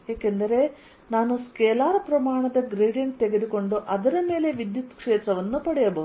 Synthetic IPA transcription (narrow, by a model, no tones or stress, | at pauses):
eːkend̪ɐɾe̞ | naːnuskeːlaːɾɐpɾɐmaːɳɐd̪ɐɡɾeːɖijɐnt̪e̞ɡed̪uko̞ɳɖuʔɐd̪ɐnɐme̞ːle̞ʋid̪jut̪kʂeːt̪ɾɐʋɐnːupɐɽɐjɐbɐʋ